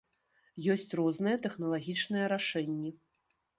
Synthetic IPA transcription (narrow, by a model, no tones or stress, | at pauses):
jɔsʲt͡sʲrɔznɨjɛt̪ɛxnɐlˠaɣʲit͡ʂnɨjɛɾaʂɛnʲːɛ